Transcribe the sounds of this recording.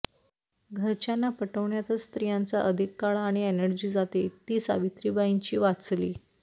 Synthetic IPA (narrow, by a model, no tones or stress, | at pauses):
ɡʱəɾt͡ɕanːapəʈəʋɳjat̪əst̪ɾijãnt͡saʔəd̪ʱikːaɭaɽ̃ienəɾd͡ʑiːd͡zat̪et̪iːsa̰ʋit̪ɾiːbaiɲt͡ɕiːʋat͡sliː